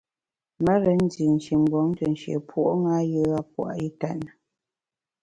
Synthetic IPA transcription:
mə˦ɾə˨˦n̩˦di˨n̩˨ʃi˨m̩˨bɔ˨˦ŋ˦tə˨n˨ʃḛ˨pʰwo˦ʔŋa˦jə˦a˦pwa̰˨ʔi˦ta̰˦˨nə˨

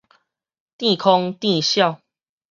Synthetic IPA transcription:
t̪i˥˨kʰɔ˦ŋt̪i˥˨ɕjɑ˥˨ʊ

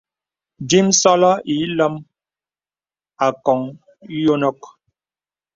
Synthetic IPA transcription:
di˦msɔ˦lɔ˦ʔi˨˦lə˦m | a˨kɔ˨ŋ˦ | jo˦nɔ˦k̚

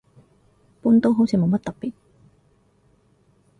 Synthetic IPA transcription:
puː˥nt̪o˥wɦo˨˥wt͡sʰiː˨˧˥mo˨˧wmɐ˥t̚t̪ɐ˨p̚pːiː˨˩t̚

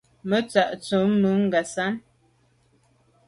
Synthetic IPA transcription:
mə˦t͡sa˨ʔt͡su˨˦mːu˨˦ŋ˦ɡa˨sa˦n

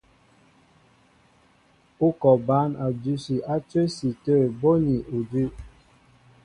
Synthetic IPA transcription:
u˦kɔ˨ba˨˦na˨du˦si˨ʔa˦t͡ʃe˦si˨tə˦˨bo˦ni˨u˨dʉ˦

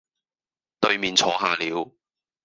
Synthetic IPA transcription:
t̪ɵ˧ɥmiː˨nt͡sʰɔː˨˥ɦaː˨˧liː˨˧w

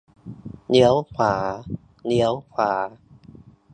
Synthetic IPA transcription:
ni˦˥əwkʰaː˩˦ | ni˦˥əwkʰaː˩˦

